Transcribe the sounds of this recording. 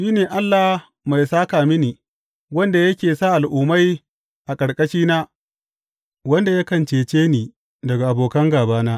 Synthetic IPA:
ʃiː˦neː˨ʔa˦lːa˨h | ma˨jsaː˦kaː˨mɪ˦niː˨ | wɐ˦nda˨jɐ˦kʲeː˨saː˦ʔa˨lʔʊː˨ma˦j | ʔa˨kʼɐ˨ɽkʼɐ˦ʃiː˦naː˦ | wɐ˦nda˨ja˦kɐ˨nt͡ʃeː˨t͡ʃeː˦niː˨ | dɐ˨ɡa˨ʔa˨boː˨kɐ˦ŋɡaː˨baː˦naː˦ʔ

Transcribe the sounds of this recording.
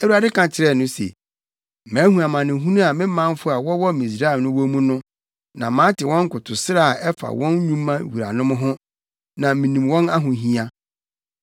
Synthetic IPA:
ɛ˦wu˦a˨dɪ˦kʰã˨t͡ɕʰɪ˨ɾɛ˦˨nʊ̃˦sḛ˨ | mæ̃ː˨˦hũ˨a˨mã˨nɪ̃˨ɦũ˦nũ˦a˨mɪ̃˦mã˦m˦fʊ˦a˨wɔ˦wɔ˦mĩ˨s̬ɾa˦ɛ˨nʊ̃˦wɔ˦mũ˦nʊ̃˦ | nã˨mãː˨˦tʰɪ˨wɔ̃˦ŋ̩˦kʊ˨tʰʊ˨sɪ˦ɾa˨a˨ɛ˦fa̰˨wɔ̃˦n˦ɲũ˦mːã˦wi˨ɾa̰˨nʊ̃˦m̃˦ɦʊ̃˦ | nã˨mĩ˨nĩ˨mwɔ̃˦na˦ɦʊ̃˨ɦĩ˦a˦

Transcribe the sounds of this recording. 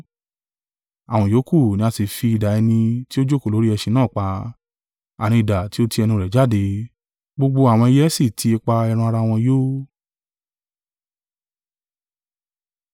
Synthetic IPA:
a˨w̃ɔ̃˧˨joː˨˦ku˦˨nĩ˧˦a˧si˨fi˧i˨da˨ɛ˧nĩ˧ti˦o˦d͡ʒo˦ko˦˨o˨˦ɾi˦ɛ˧ʃi˧nãː˦˨k͡pa˧˦ | a˨ñĩ˧i˨da˨ti˨˦o˦ti˧ɛ˧nĩ˧˨ɾɛ˨d͡ʒa˦˨de˧ | ɡ͡bo˧ɡ͡bo˧a˨w̃ɔ̃˧i˧jɛ˦si˦˨tʰi˧e˧k͡pa˧ɛ˧ɾ̃ũ˧a˧ɾa˧w̃ɔ̃˧joː˦

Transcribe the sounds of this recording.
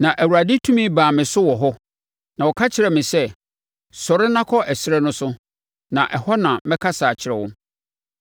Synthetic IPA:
nã˨ʔæ˨wu˨ɾa˨dɪ˦tʰũ˦mĩ˦baː˨mɪ̃˨sʊ˦wɔ˨ɦɔ˦ | nã˨wɔ˨kʰa˦t͡ɕʰɪ˨ɾɛ˨mɪ̃˨sɛ˦ | sɔ˨ɾɪ˦nã˦kʰɔ˦ʔɛ˨sɪ˦ɾɛ˦nʊ̃˦sʊ˦ | nã˨ʔɛ˨hɔ˦nã˨mɛ̃˦kʰa˦saː˨t͡ɕʰɪ˨ɾɛ˨wʊ̃˦

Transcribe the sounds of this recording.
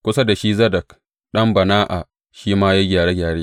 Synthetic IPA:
kʷʊ˦sa˦da˨ʃi˦zɐ˦dɐ˨k | ɗɐ˦mbɐ˨naː˦ʔa̰˨ | ʃiː˦maː˦ja˦ɡʲaː˨ɽeː˦ɡʲaː˨ɽeː˦

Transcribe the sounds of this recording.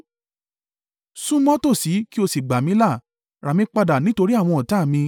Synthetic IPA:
sũ˦mɔ̃˦to˦˨si˨˦ki˦o˧si˨ɡ͡ba˨mĩ˨˦la˦˨ | ɾa˨mĩ˧˦k͡pa˧da˨nĩ˨˦to˧ɾi˦a˦˨w̃ɔ̃˧ɔ˨ta˨˦˨mĩ˧

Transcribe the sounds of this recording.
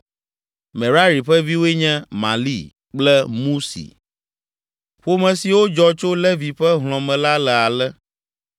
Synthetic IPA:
mɛ̃˨ɾa˦ɾi˨ɸɛ˦vi˦wo˦e˦ɲɛ̃˦mã̰˨lḭ˦ | k͡plɛ˦mũ˦sḭ˨ | ɸo˦mɛ̃˨si˨wo˦d͡ʒɔ˦t͡ʃo˦lɛ˦vi˨ɸɛ˦ɦl̃ɔ̃˨mɛ̃˨la˦lɛ˨a˨lɛ˦

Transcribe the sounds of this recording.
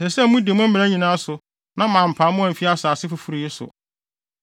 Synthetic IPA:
sɛ˨sɛ˦mũ˦de˨˦mʊ̃˦m̩˦m̃˨æ˦ɲĩ˨nãː˦sʊ˨ | nã˦mãː˨m̩˨pʰa˨˦mʊ̃˦ã˨m̩˨fi˦a˦saː˨sɪ˦fu˨fu˨ɾi˨jɪ˦sʊ̰˨

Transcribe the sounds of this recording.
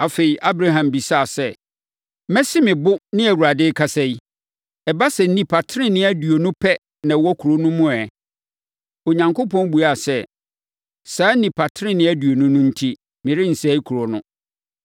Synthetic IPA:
a˨fe˨i˨ʔa˦bɾa˦ɦã˨mbi˨sa˦˨sɛ˦˨ | mɛ˦sɪ˦mɪ̃˨bʊ˦nɪ̃˦æ˨wu˨ɾa˨dɪ˦kʰa˨sɛ˦i˦ | ɛ˨ba˦sɛ˨n̩˦nĩ˨pʰa˨tʰɪ˦ɪ̃˦nɪ̃˦æ˦du˨o˨nʊ̃˦pʰɛ˦ | nã˨wɔ˦kʰu˨ɾo˦nʊ̃˦mʊ̃˦ɛ˨ | o˨ɲã˨ŋkʊ˦pɔ̃˦n˦bu˨a˨sɛ˦ | saː˨˦nĩ˨pʰa˨tʰɪ˦ɾɪ̃˦nɪ̃˦æ˦du˨o˨nʊ̃˦nʊ̃˦n̩˦tʰi˦ | mɪ̃˨ɾɪ˦n̩˨sɛ˦i˦kʰu˨ɾo˨nʊ̃˦

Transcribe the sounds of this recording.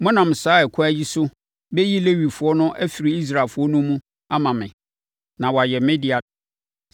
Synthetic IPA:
mʊ̃˦nã˨m̩˨saː˨˦ɛ˨kʰʊ˦æ˦ji˦sʊ˦ | bɛ˦ji˦le˦wi˨fʊ˨ɔ˦nʊ̃˦ʔæ˦fi˨ɾi˨˦i˦s̬ɾaː˨fʊ˨˦ɔ˦nũ˦mũ˦ | a˦mã˨mɪ̰̃˨ | nã˨wɔ˨a˨jɛ˨mɪ̃˦di˨a˨

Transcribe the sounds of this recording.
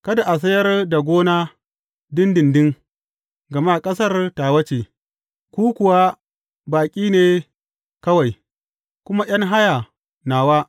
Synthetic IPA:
kɐ˦da˨ʔa˨s̬ɐ˦jɐ˦rda˨ɡʷoː˦naː˦ | dɪ˦ndɪ˨ndɪ˦ŋ | ɡɐ˨maː˦˨kʼɐ˦sɐ˦rtaː˨wɐ˦t͡ʃeː˨ | kʷuː˦kʷʊ˨wa˦ | baː˨kʲʼiː˦neː˨ | kɐ˦wa˨j | kʷʊ˦ma˦ʔj̰ɐ˦ŋɦa˦jaː˨ | naː˨waː˦

